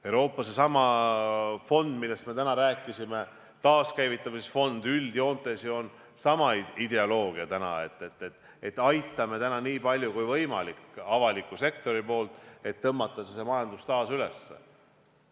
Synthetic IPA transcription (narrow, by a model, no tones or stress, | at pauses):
ewɾo̞ːpːˑɑse̞sɑmɑ | fo̞nd̪̥milːe̞st̪me̞t̪ænɑɾæːkːˑisime̞ | t̪ɑːskæjvit̪ːˑɑmisfo̞nd̪yld̪̥jo̞ːnt̪ːˑesio̞n | sɑmɑid̪e̞olo̞ːɡ̥iɑt̪ænɑ̰e̞̰t̪ːˑet̪ːˑet̪ | et̪ːˑɑjt̪ːˑɑme̞t̪ænɑniːpɑlʲjukujvɤjmɑ̰likɑvɑlikːˑuse̞kt̪o̞ɾipo̞ːlt̪ˑe̞t̪ːɤmːɑt̪ˑːɑsese̞mɑjɑnd̪ust̪ɑːsyle̞̰sːḛ